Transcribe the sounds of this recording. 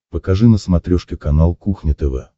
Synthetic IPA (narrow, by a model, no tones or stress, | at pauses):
pəkɐʐɨnəsmɐt̪ɾʲoʂkʲɪkɐnalˠkuxnʲɪt̪ɛvɛ̰